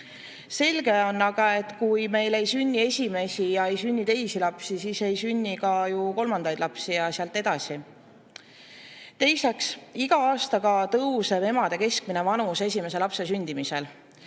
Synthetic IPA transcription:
se̞lɡ̥e̞o̞nːɑɡɑe̞t̪ːˑkujme̞jle̞jsynʲːie̞sʲime̞sijɑejsynʲːit̪e̞jsilɑpsisiːse̞jsynʲːikɑjuko̞lmɑnd̪ɑjd̪̥lɑpsijɑsiɑlt̪ːˑe̞d̪ɑsi | t̪e̞jseksiɡ̥ɑɑːst̪ɑɡɑt̪ɤwseve̞mɑd̪e̞ke̞sk̚mine̞vɑnuse̞s̬ʲime̞s̬e̞lɑpse̞s̬ynʲd̪̥imise̞l

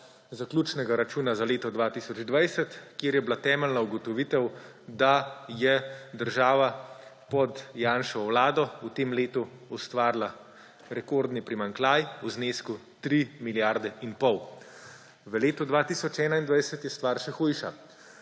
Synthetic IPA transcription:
zaklʲjuːt͡ʃnɛɡaɾat͡ʃuːnazaleːt̪ɔd̪ʋaːt̪isɔd͡ʒd̪ʋajsət̪kjeːɾjɛblat̪ɛːmɛlnauɡɔt̪ɔʋit̪ɛw | d̪ajɛd̪əɾʒaːʋa | pɔd̪jaːnʃɔwlaːd̪ɔut̪eːmleːt̪uust̪ʋaːɾla | ɾɛkoːɾd̪nipɾimaŋklaːjuzneːsku | t̪ɾimiljaɾd̪ɛʔinpɔw | ʋəleːt̪ud̪ʋaːt̪iːsɔt͡ʃɛːnaind̪ʋajsət̪jɛst̪ʋaɾʃɛxujʃa̰

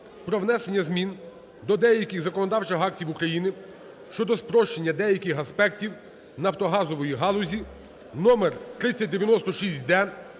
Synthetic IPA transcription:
pɾɔʋnɛse̞nʲːɐzmʲin | d̪ɔd̪ɛjɐkʲiɣzɐkɔnɔd̪ɑwt͡ʃɪxɑk̚tʲiwukɾɐjinɪ | ʃt͡ʃɔd̪ɔspɾɔʃt͡ʃenʲːɐd̪ɛjɐkʲɪxɐspɛktʲiw | nɐwt̪ɔɦɑzɔʋɔjiɦɑlˠʊzʲi | nɔmert̪ɾɪt͡sʲːɐt̚ʲd̪eʋjɐnɔst̪ɔʃisʲt̚ʲd̪ɛ

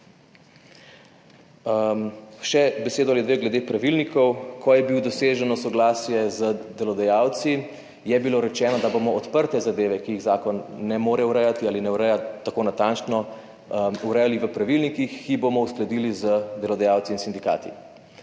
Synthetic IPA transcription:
mʃɛbɛseːd̪ɔalid̪ʋeːɡlɛd̪epɾaʋilnikʰɔwkʰɔjɛbiwd̪ɔseːʒɛnɔsɔɡlaːsjɛzəd̪ɛlɔd̪ɛjaːwt̪si | jɛbiloːɾɛt͡ʃɛːnɔd̪abomɔɔt̪pəɾt̪ɛzad̪eːʋɛkijiɣzaːkɔnːɛmoːɾɛwɾɛjat̪iaːlinɛuɾɛjat̪ːakoːnat̪ant͡ʃnɔ | uɾɛjaliʋəpɾaʋilnikixkːibomɔusklɛd̪ilizəd̪ɛlɔd̪ɛjaːwt̪siːnsind̪ika̰ːt̪ḭ

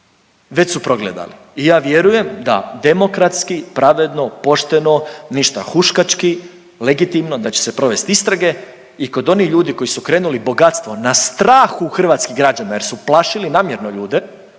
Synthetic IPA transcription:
ʋe̞t͡ɕsupɾo̞ɡlḛd̪a̰liːjaːʋje̞ɾuje̞md̪a̰d̪e̞mo̞kɾat̪skipɾaʋe̞d̪no̞po̞ʃt̪e̞no̞niʃt̪a̰xuʃkat͡ʃki | le̞ɡit̪imno̞d̪at͡ɕe̥se̞pɾo̞ʋe̞st̪ist̪ɾaɡe̞ | iko̞d̪o̞niʎuːd̪iko̞jisukɾe̞ːnulibo̞ɡat̪st̪ʋo̞nast̪ɾaːxuxr̩ʋaːt̪skiɡɾad͡ʑanaje̞ɾsuplˠaʃilinaːmje̞ɾno̞ʎuːd̪e

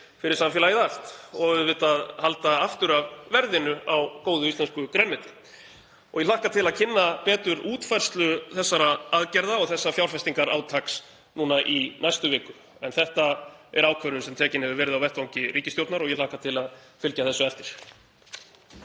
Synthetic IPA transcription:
fɪɾɪɾsamfjɛlaiðaft̪ɔɣvʏðvɪːt̪aðhalt̪aaft̪ʏɾavvɛɾðɪnʏawkoːwðʏist̪ɛnskʏkɾɛnmɛːt̪ɪ̥ | ɔɣjɛlahkat̪ʰɪlaðcʰɪnːapɛːt̪ʏɾuːt̪fajr̥st̪lʏθɛsːaɾaaðcɛɾðaɔɣθɛsːafjawɾ̥fɛst̪iŋkaɾa̰ːwt̪ʰaks | nuːnaʔinajst̪ʏvɪːkʏ | ɛnθɛht̪aɛɾaːwkʰvœɾʏnsɛmt̪ʰɛːcɪnhɛvʏɾvɛːɾɪðawvɛht̪vawŋcɪriːcɪst̪jowɾt̪naɾɔɣjɛlahkat̪ʰɪlaðfɪlcaθɛsːʏɛft̪ɪɾ̥

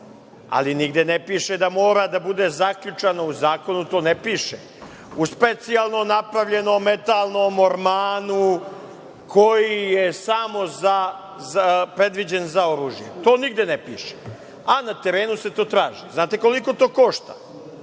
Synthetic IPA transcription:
a̰liniɡd̪enepiːʃed̪amo̞ːɾad̪abud̪ezakʎut͡ʃanouzaːko̞nut̪oːnepiːʃe | uspe̞t̪sialˠnomnapɾaʋʎe̞nommːe̞t̪alˠnomoɾmaːnu | kʰo̞jijesamo̞za | pɾe̞d̪ʋid͡ʑenzao̞ɾuːʒjet̪o̞ːniɡd̪enepiːʃe̥ | anat̪e̞ɾeːnuse̞t̪o̞ːt̪ɾaːʒiznaːt̪e̞ko̞liko̞t̪oːkoʃt̪a̰

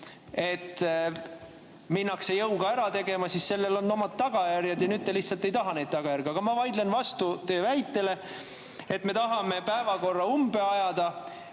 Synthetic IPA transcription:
e̞t̪ː | minːɑksejɤwɡ̥ɑeɾɑt̪e̞ɡ̥e̞mɑsisse̞lːelonːo̞mɑd̪̥̚t̪ɑɡ̥ɑjærjɑd̪jɑnyːd̪̚eliçht̪sɑlt̪ːˑejt̪ɑɦɑne̞jd̪̥̚t̪ɑɡɑjæɾɡ̥ɑɡ̥ɑmɑvɑjd̪lenvɑst̪ut̪ø̞ːvæjt̪ːˑe̞le̞ | e̞t̪me̞t̪ɑɦɑme̞pæevɑko̞rːɑumbe̞ɑjɑd̪ɑ

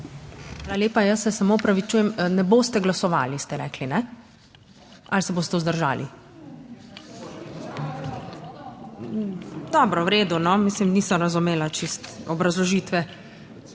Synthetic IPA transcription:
xʋaːlalʲjeːpajəsːɛsamoɔpɾaʋit͡ʃuːjɛmnɛboːst̪ɛɡlasɔʋa̰ːlist̪ɛɾɛ̰ːklinɛ | alsɛboːst̪ɛuzd̪əɾʒa̰ːlḭ | d̪ɔːbɾɔwɾeːd̪unɔmislimniːsɔmɾazumeːlat͡ʃist̪ɔbɾazlɔʒiːt̪ʋɛ

